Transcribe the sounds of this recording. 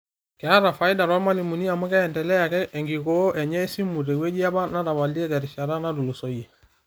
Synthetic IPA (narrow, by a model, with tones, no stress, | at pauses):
kɛ˨a˦ɾa˨fa˨i˦da˨ɾɔ˦ma˦li˨mu˨ni˦a˨mu˦kɛ˦ɛ˨ndɛ˨lɛ˦ja˨kɛ˦ʔɛ˨ŋɡi˨ko˦ʔɛ˨ɲɛ˦si˦mu˨ɾe˨we˦d͡ʒi˦a˦ba˦na˦ɾa˨ba˨li˦ɛ˦kɛ˨ɾi˨ʃa˨ɾa˦na˦lu˨lo˨so˨je˨